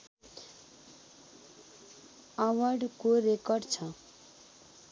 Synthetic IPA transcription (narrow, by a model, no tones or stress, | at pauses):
ʌwʌrɖkorekʌrɖt͡sʰʌ